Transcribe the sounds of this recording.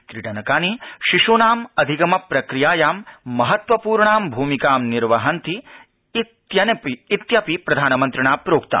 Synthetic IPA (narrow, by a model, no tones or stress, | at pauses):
t̪ɾiʈɐnɐkaːniʃiʃoːnaːmɐd̪ʱiɡɐmɐpɾɐkɾijaːjaːmːɐɦɐt̪ʋɐpuːɾɳaːmbʱuːmikaːmniɾʋɐɦɐnt̪i | t̪jɐnɐpiːt̪jɐpipɾɐd̪ʱaːnɐmɐnt̪ɾɐɳaːpɾoːkt̪a̰ː